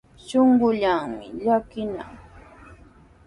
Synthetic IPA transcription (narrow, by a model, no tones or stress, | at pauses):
ʃoɴɢʊʎaŋmɪ̰ʎakɪna̰ŋ